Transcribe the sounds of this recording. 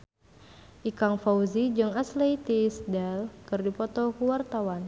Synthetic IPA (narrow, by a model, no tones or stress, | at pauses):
ʔikaŋfauzid͡ʒɨŋasleit̪isdɛlkɨrdipɔt̪ɔkuwart̪awan